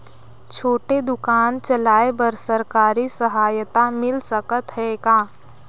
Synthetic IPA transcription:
t͡ʃʰoːʈed̪ʊkaːnt͡ʃəlaːebəɾsəɾkaːɾisəɦaːjət̪amɪlsəkət̪ɦɛkaː

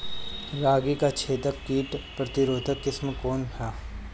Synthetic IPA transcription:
ɾaːɡikat͡ʃʰeːt̪əkːiːʈpɾɐt̪ɪɾoːd̪ʱəkːɪsmkoːnt̪ʰaː

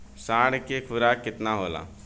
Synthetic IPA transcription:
saːɽkekʰʊɾaːkːɪt̪naɦoːla̰ː

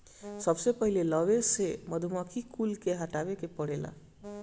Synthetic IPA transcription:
sʌbsepʌɦilelʌbesemʌd̪ʱumʌkʰikulkeɦaʈabekepʌɽela̰

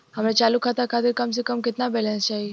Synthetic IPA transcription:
həmɾẽt͡ʃaːlukʰat̪akʰaːt̪ɪɾkɐmsekəmkɪt̪nabɛlɛ̃nst͡ʃaːɦie

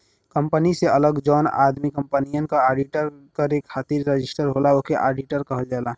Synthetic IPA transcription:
kə̃mpəniseələɡd͡ʒɔːna̰ːd̪mikəmpənijənkaaːɖiʈəɾkəɾekʰːaːt̪iɾːəd͡ʒɪsʈəɾɦoːlaokeʔa̰ːɖiʈəɾkəɦəld͡ʒaːla

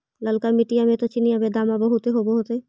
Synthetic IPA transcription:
ləlkamiʈijamẽt̪ot͡ʃinijamed̪amabəɦut̪eɦoboɦot̪e

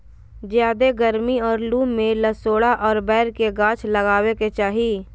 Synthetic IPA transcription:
d͡ʒjaːd̪eɡəɾmiɔːɾluːmẽləsoːɽaʔɔːɾbɛːɾkeɡãːt͡ʃʰləɡaːweket͡ʃaːɦi

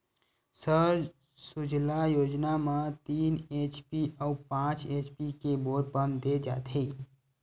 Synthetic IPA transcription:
səɾd͡ʒ | sud͡ʒʱlajoːd͡ʒnamãt̪iːnet͡ʃpiʔəupãːt͡ʃet͡ʃpikeboɾpənd̪ed͡ʒa̰ːt̪ʰɦe

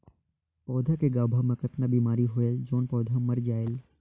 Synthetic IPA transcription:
pɔːd̪ʱakeɡaːbʱamẽkɐt̪nəbiːmaːɾiɦʊeld͡ʒoːnpɔːd̪ʱamɐɾd͡ʒaːɪl

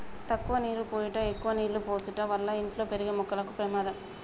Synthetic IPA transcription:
t̪ɐkːʊʋɐniːɾɯpoːjɪʈːaɛkːʊʋɐniːɾlɯpoːsɯʈːaːʋɐɾlːaːɪɳʈloːpɛɾɯɣɐmɔkːɐlɐkːɯpɾɐmaːðɐm

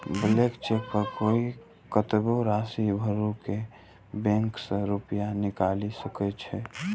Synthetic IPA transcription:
bəlekt͡ʃepəkoːi | kət̪boɾaːsibʱəɾuke | bɛ̃ŋksəɾupəjanɪkaːlisəkɛt͡ʃʰɛ

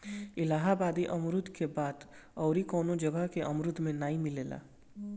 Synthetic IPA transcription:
ɪlaːɦabaːd̪iʔɐmɾʊd̪ʱkebaːd̪ | ɔːɾikɔːnõd͡ʒɐɡəɦkeʔɐmɾʊd̪ʱmẽnaːĩmɪleːla̰ː

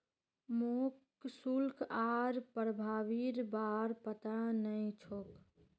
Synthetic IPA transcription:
mok | sulkʰaɾpɾəbʱaːʋiɾbaɾpət̪anəjt͡ʃʰok

